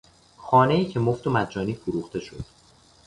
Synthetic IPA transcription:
xɒːne̞iːcʰe̞moft̪omæd̪̚d͡ʒɒːniːfoɾuːxt̪ʰe̞ʃo̞̰d̪̥

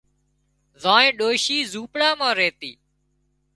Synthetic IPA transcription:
zãːẽːɗoːʃiːzuːpɽaːmãːɾeːt̪iː

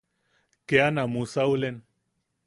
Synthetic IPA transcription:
keanamusawlen

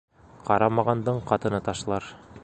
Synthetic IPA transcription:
qɑɾɑmɑʁɑnd̪ɤɴqɑt̪ɤ̆nɑt̪ɑʃlˠɑɾ

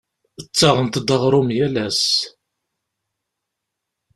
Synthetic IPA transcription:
ət͡sːɑʁənt̪d̪əʁɾˤʊmjælæs

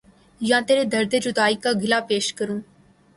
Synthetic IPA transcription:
jãt̪eːɾed̪ɐɾd̪əd͡ʒud̪aːikaɡʱɪlapeːʃkəɾũː

